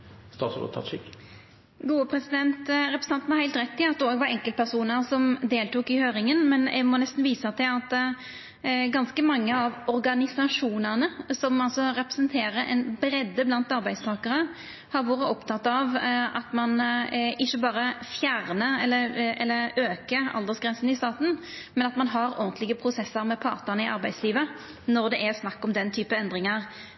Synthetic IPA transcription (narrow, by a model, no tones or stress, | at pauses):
st̪ɑːt̪so̰t̪ʰɑ̰t̪ʃɪk | ɡuːəpʰɾɛsɪd̪ɛnt̪ɾɛpɾəsn̩ɑnn̩hɑɾhæɪlt̪ʁɛt̪ːɪlɑt̪d̪ɛoːɡʋɑɾɛŋkəlt̪̚pʰæɾsuːnəɾsɔmd̪eːlt̪uːkɪhøːɾɪŋənmɛnɛ̰mɔnɛst̪n̩ʋiːsət̪ʰɪlɑt̪ː | ɡɑnskəmɑŋːəɑʋɔɾɡɑnɪsɑʂuːnənəsɔmɑlsɔɾɛpɾə̥sənt̪ʰeːɾəʔɛ̰nbɾɛd̪ːəblɑnt̪ɑɾbæɪd̪st̪ʰɑːkəʁə | hɑɾʋɑːɾəɔpt̪ʰɑt̪ːɑʋɑt̪mɑnʔɪçːəbɑːʁəfjæʁnəɛlːəɛlːəʁøːkəɑ̰ld̪əsɡʁɛnsənɪst̪ɑːt̪n̩ | mɛnɑt̪mɑnɦɑɾɔ̰ʁnt̪lɪɡəpʰɾʊsɛsːəɾmɛpʰɑ̰ʁt̪ənəɪʔɑ̰ɾbæɪd̪sliːʋə | nɔʁd̪ɛʔæʁsnɑkːɔmd̪ɛnt̪ʰyːpəɛnd̪ʁɪŋɑʁ